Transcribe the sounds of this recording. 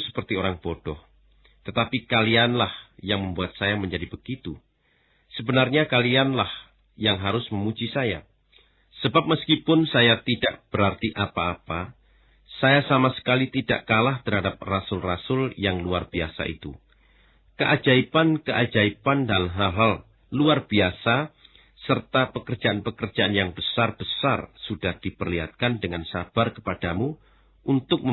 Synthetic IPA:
sə̥pərt̪ioɾaŋb̥od̥ɔh | t̪ət̪apikalianlahjaŋməmbuat̪̚sajaməɲd͡ʒadibəɡ̥it̪u | səbənarɲakalianlah | jaŋɦaɾʊsməmud͡ʒisaja̰ | səbap̚məskipʊnsajat̪idaʔb̥əɾart̪iʔapaːpa | sajasamasə̥kalit̪ida̰ʔkalaht̪ərɦadap̚rasʊlrasʊljaŋluarb̥iasa̰ʔḭt̪ṵ | kəʔad͡ʒaipankəʔad͡ʒaipandalɦalɦal | luarb̥iasa | sərt̪apəkər̥d͡ʒaʔanpəkərd͡ʒaʔanjaŋbəsarb̥əsarsud̥ahd̥ipərliɦa̰t̪̚kandəŋansa̰b̥arkə̥padamu | ʔunt̪ʊk̚mə

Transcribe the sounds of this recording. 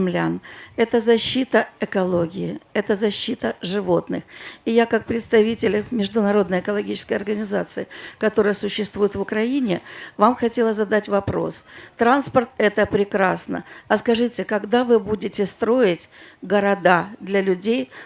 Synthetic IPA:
mlʲa̰nɛt̪əzɐɕːit̪əɛkɐlˠo̞ɡʲɪɪɛt̪əzɐɕːit̪əʐɨvo̞t̪nɨ̰xɪjakak̚pɾʲɪt̪st̪ɐvʲitʲɪlʲmʲɪʐd̪ʊnɐɾo̞d̪nəjɪkəlˠɐɡʲit͡ɕɪ̥skəjɐrɡənʲɪzat̪sɨɪkɐt̪o̞ɾəjəsʊɕːɪst̪vujɪt̪vʊkɾɐinʲɪvamxɐtʲe̞lˠəzɐd̪atʲvɐpɾo̞̰st̪ɾanspərt̪ɛt̪əpɾʲɪkɾasnə̰ɐskɐʐɨtʲɪkɐɡd̪avɨbudʲɪtʲɪst̪ɾo̞ɪtʲɡəɾɐd̪ad̪lʲɐlʲʉdʲej

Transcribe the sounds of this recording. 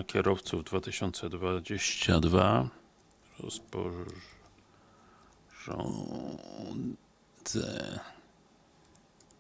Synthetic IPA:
akʲʰɛɾɔft̪suvd̪vat̪ɘɕɔnt̪sɛd̪vad͡ʑeɕt͡ɕad̪va | ɾɔ̰spɔ̰ | ʐɔ̰ | zɛ̰

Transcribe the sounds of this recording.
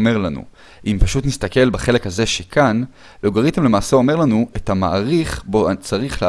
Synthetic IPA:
me̞ʁlanṵ | ʔimpaʃut̪nist̪ake̞lbaχe̞le̞khaze̞ʃekʰan | loɡaʁitemle̞maːseome̞ʁlanuethama̰ʔaʁiχbot͡saʁiχle

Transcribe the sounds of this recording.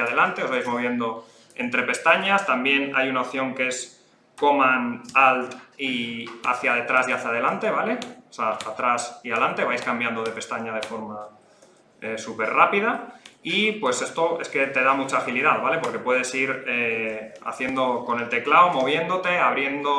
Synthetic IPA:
aðe̞lant̪e̞ozβajzmo̞β̞je̞nd̪o̞ | e̞nt̪ɾe̞pe̞st̪aɲast̪ambje̞na̰junaop̚θjo̞ŋkee̞s | ko̞mãnalt̪ia̰θjaðe̞t̪ɾasiaθjað̞e̞lant̪e̞βale̞seaat̪ɾasialant̪e̞βajskambjand̪o̞ð̞e̞pe̞st̪aɲaðe̞fo̞ɾma | esupe̞rrapið̞aipwe̞se̞st̪o̞e̞ske̞t̪e̞ðamut͡ʃaːxiliðaðβale̞po̞ɾke̞pwe̞ðe̞siɾea̰θje̞nd̪o̞ko̞ne̞lt̪e̞klaomo̞β̞je̞nd̪o̞t̪e̞aβɾje̞nd̪o̞

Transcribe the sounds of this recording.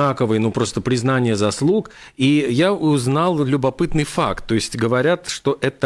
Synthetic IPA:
akəvɨjnupɾo̞st̪əpɾʲɪznanʲɪjəzɐslˠuk | ijaʊznalˠlʲʊbɐpɨt̪nɨjfak̚t̪ːo̞ɪsʲtʲɡəvɐɾʲat̪ʂt̪o̞ʔɛt̪ə

